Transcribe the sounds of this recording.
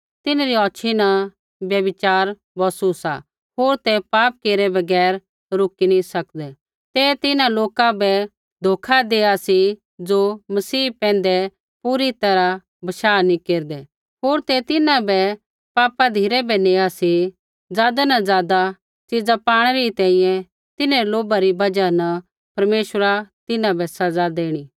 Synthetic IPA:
t̪ɪnaɾiɔːt͡ʃʰina | bjɐbɪt͡ʃaːɾ | bɔːsusa̰ | ɦoːɾt̪ɛpaːp̚keːɾɛbɐɡɛːɾ | ɾʊkinĩsɐkd̪ɛ | t̪ɛt̪ɪnãloːkãbɛ | d̪ʱoːkʰad̪eːasi | d͡ʒoːmɐsiːpɛ̃ːn̆d̪ɛ | puɾit̪ɐɾa | bɐʃaːnĩkeːɾd̪ɛ | ɦoːɾt̪et̪ɪnãbɛ | paːpad̪ʱiːɾɛbɛneːasi | d͡zaːd̪anɐzjaːd̪a | t͡ʃid͡zapaːɽ̃ɛɾit̪ɛ̃ːĩjɛ̃ | t̪ɪneloːbaɾibɐd͡ʒanɐ | pɐɾmeːʃəɾat̪ɪnãbɛsɐd͡zad̪eːɽ̃iː

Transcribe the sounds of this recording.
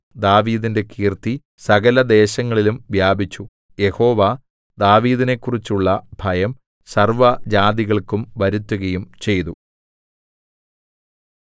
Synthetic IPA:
d̪aːʋiːðinde̞kiːrt̪i | sɐɣɐlɐd̪e̞ːɕɐŋːɐɭilumʋjaːbʱit͡ɕːu | je̞ho̞ːʋa | d̪aːʋiːðine̞kːurit͡ɕːuɭːɐbʱɐjɐm | sɐrʋɐd͡ʑaːd̪iɣɐɭkumʋɐɾut̪ːuɣɐjumt͡ɕe̞jt̪u

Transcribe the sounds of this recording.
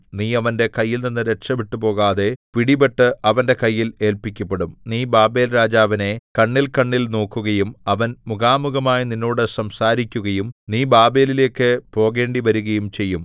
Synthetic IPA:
niːɐʋɐnde̞kɐjːilninːɨɾe̞ʈʂɐʋiʈːupo̞ːɣaːðe̞piɽibeʈːɨɐʋɐnde̞kɐjːile̞ːlpikʲːɐpːeɽumniːbaːbe̞ːlɾaːd͡ʑaːʋɐne̞kɐɳːilkɐɳːilno̞ːkːuɣɐjumɐʋɐnmuɣaːmuɣɐmaːjininːo̞ːɽɨsɐmsaːɾikʲːuɣɐjumniːbaːbe̞ːlile̞ːkːɨpo̞ːɣe̞ːɳɖiʋɐɾuɣɐjumt͡ɕe̞jːum

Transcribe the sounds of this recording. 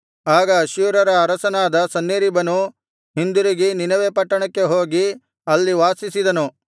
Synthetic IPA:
aːɡɐːʃuːɾɐɾɐːɾɐsɐnaːd̪ɐsɐnːeɾibɐnu | ɦind̪uɾiɡininɐʋepɐʈːɐɳɐkːe̞ɦo̞ːɡi | ɐlːiʋaːsisid̪ɐnu

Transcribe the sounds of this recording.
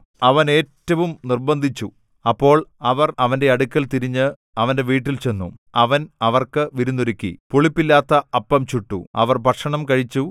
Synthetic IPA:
ɐʋɐne̞ːtːɐʋumnirbɐnd̪ʱit͡ɕːu | ɐpːo̞ːɭɐʋɐrɐʋɐnde̞ɐɽukʲːɐlt̪iɾiɲːɨ | ɐʋɐnde̞ʋiːʈ̬ːilt͡ɕe̞nːuɐʋɐnɐʋɐrkɨʋiɾunːuɾikʲːḭpuɭipːilːaːt̪ːɐɐpːɐmt͡ɕuʈːṵɐ̰ʋɐrbʱɐʈkʂɐɳɐmkɐɻit͡ɕːu

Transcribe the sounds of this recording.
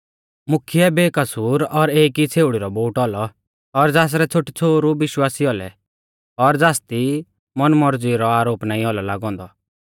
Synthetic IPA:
mʊkʰiɛbeːkɐsuːɾɔɾeːkit͡sʰeːʊɽiɾɔboːʈɔlɔ | ɔɾd͡zaːs̬ɾɛt͡sʰʊʈit͡sʰoːɾubɪʃwaːsiɔlɛ̰ | ɔɾd͡zaːst̪i | mɔnmɔɾd͡ziɾɔaːɾoːpnaːĩɔlɔlaːɡɔ̃ːnd̪ɔ

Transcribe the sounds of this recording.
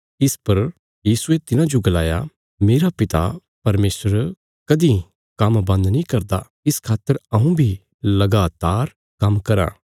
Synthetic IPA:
ɪspɐɾ | jiːsuet̪ɪnãd͡ʒoɡɐlaːja̰ | meːɾapɪt̪a̰ | pɐɾmeːsəɾ | kɐd̪ĩ | kɐmbɐ̃nd̪nĩkɐɾd̪a | ɪskʰaːt̪ːəɾɐũbʱi | lɐɡaːt̪aːɾ | kɐmkɐɾa̰ː

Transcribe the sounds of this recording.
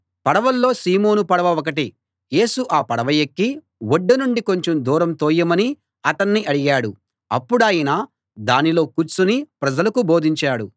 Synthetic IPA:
pɐɽɐʋɐlːo̞ːsiːmo̞ːnupɐɽɐʋɐɔk̬ɐʈi | je̞ːsuʔaːpɐɽɐʋɐjekːi | woɖːɐnuɳɖiko̞ɲt͡ʃomd̪uːɾɐmt̪oːjɐmɐni | ɐt̪ɐnːiʔɐɽiɡaːɽu | ɐ̰pːuɽaːjɐnɐ | d̪aːnilo̞ːkuɾt͡ʃunipɾɐd͡ʒɐlɐkubo̞ːd̪ʱiɲt͡ʃaːɽu

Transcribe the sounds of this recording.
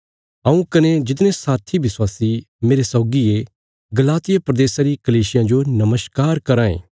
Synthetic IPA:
ɐ̃ũkɐned͡ʒɪt̪nẽsaːt̪ʰiʋɪswaːsi | meːɾesɔːɡie | ɡɐlaːt̪ɪjapɾɐd̪eːsaɾikɐliːsɪjãd͡ʒonɐməskaːɾkɐɾãːḛ̃ː

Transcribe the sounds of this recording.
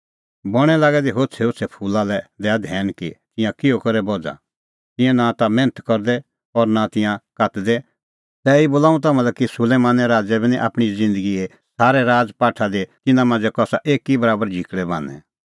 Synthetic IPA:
bɔɽ̃ɛlaːɡɛd̪iɦoːt͡sʰɛɦot͡sʰɛpʰuːlalɛd̪ɛad̪ʱɛːnkit̪ɪ̃jãkɪokɔɾɛbɔd͡za̰ | t̪ɪ̃jɛ̃nat̪amɛ̃ːnət̪kɔɾd̪ɛ | ɔɾnat̪ɪ̃jãkat̪d̪ɛ | t̪ɛiboːlaːũt̪̬amãlɛkisʊleːmaːnɛɾaːd͡zɛbinĩʔa̰ːpɽ̃izɪ̃nd̪əɡie | saːɾɛɾaːd͡zpaːʈʰad̪et̪ɪnãmãnd͡zɛkɔsaʔeːkːibɐɾaːbəɾd͡ʒʱɪkɽɛbã̰ːnɛ̰̃

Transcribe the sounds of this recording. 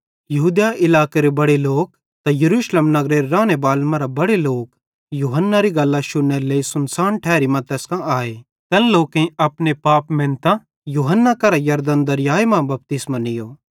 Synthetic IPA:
jɐɦuːd̪jaʔɪlaːkeɾebɐɽeloːk̚ | t̪ajɐɾuːʃleːmnɐɡɾeɾeɾaːnebaːlmãɾabɐɽeloːk | juːɦənːaɾiɡɐlːaʃʊɽːeɾleːisʊnsaːnʈʰɛːɾimɐ̃t̪ɛːskãʔaːeː | t̪ɛ̃lloːkẽɐpnepaːpmẽːnt̪a | juːɦənːakɐɾajɐɾd̪ənd̪ɐɾjaːemãbɐp̚t̪ɪsmãnɪjoː

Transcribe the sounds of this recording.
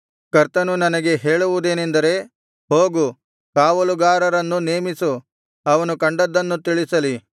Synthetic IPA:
kɐɾt̪ɐnunɐnɐɡe̞ɦe̞ːɭuʋud̪e̞ːnend̪ɐɾe̞ | ho̞ːɡu | kaːʋɐluɡaːɾɐɾɐnːuneːmisu | ɐʋɐnukɐɳɖɐd̪ːɐnːut̪iɭisɐli

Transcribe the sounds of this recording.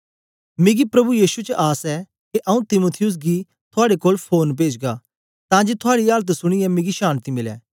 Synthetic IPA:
mɪɡipɾɐbujiːsut͡ʃʔaːsɛ | keʔɐũt̪ɪmoːt̪ʰɪjʊs̬ɡi | t̪ʰʊaːɽekoːlpʰoːnp̬eːd͡ʒɡaː | t̪ãːd͡ʒet̪ʰʊaːɽialt̪sʊɽ̃iɛmɪ̃ɡiʃaːnt̪imɪlɛ̰ː

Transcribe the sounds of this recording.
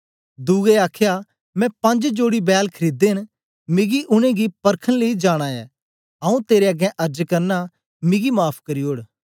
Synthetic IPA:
d̪uːɡeaːkʰja | mɛ̃pɐ̃ɲd͡ʒd͡ʒoːɽibɛːlkʰɐɾiːd̪eɪn | mɪɡiʔʊnẽɡipɐɾkʰənleid͡ʒaːɽ̃aɛ̰ː | ãːũt̪eːɾeɐɡɛ̃ʔɐɾd͡ʒkɐɾna | mɪɡimaːpʰkɐɾioːɽ

